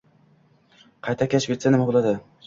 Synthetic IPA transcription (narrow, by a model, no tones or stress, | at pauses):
qʰɑjt̪ʰakʲʰaʃɡʲet̪sanɪmabolˠad̪ɪ